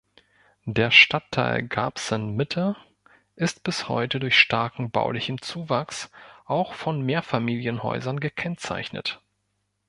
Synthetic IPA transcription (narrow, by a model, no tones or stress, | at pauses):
deːɐʃtʰatʰːa̰ɪlɡa̰ːpsənmɪtʰə | ʔɪstb̥ɪshɔ̰ʏtədʊɐçʃtaɐkŋ̩ba̰ʊlɪçən̩t͡suːvaksʔaʊxfɔnmeːɐfamiːljənhɔ̰ʏzɐnɡəkʰɛnt͡sa̰ɪçnə̰t